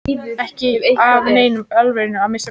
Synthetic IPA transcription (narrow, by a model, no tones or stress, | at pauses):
ɛhcɪavneːjnʏmœlveɾɪnʏaðmɪs